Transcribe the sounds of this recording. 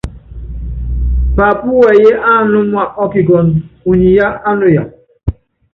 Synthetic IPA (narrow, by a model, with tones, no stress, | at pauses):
pa˨pu˦wɛ˨je˦ʔa˦˨nu˦mwa˨ʔɔ˦ki˨ɡɔ˨nu˨ɲi˨ja˦a˦no˨ja˨